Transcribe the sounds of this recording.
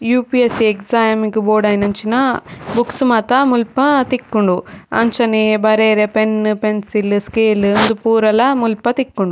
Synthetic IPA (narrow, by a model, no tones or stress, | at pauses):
juːpiesieksaːmiŋɡboːɾɖɐjinɐɲt͡ʃinɐbuksumaːt̪ɐmulpɐt̪ikːuɳɖuɐ̰ɲt͡ʃɐnebɐɾeːɾepenpensilskeːlnd̪upuːɾɐlɐmulpɐt̪ikːuɳɖu